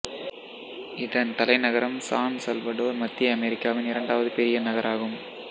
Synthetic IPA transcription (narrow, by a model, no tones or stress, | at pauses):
ɪðɐnt̪ɐlɐɪnɐɣɐɾɐmsaːnsɐlʋɐɽoːɾmɐt̪ːɪjɐɐmɛɾɪkːaːʋɪnɪɾɐɳɖaːʋɐðɯpɛɾɪjɐnɐɣɐɾʔaːɣɯm